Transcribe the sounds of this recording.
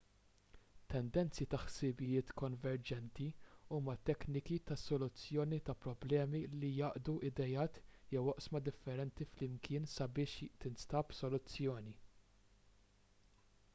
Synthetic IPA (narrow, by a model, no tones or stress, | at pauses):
t̪ːɛnd̪ɛnt͡sjit̪ɐħsɪbɪjɪːt̪kɔnvɛɾd͡ʒɛnt̪iuːmɐt̪ɛknɪkit̪ɐsɔlʊt͡sːjɔːnit̪ɐpɾɔblɛːmilijɐːʔd̪uʔɪd̪ɛjɐːt̪jɛwɔʔsmɐd̪ɪfːɛɾɛnt̪iflɪmkʰɪːnsɐbɪːʃt̪ɪnst̪ɐbsɔlʊt͡sːjɔːni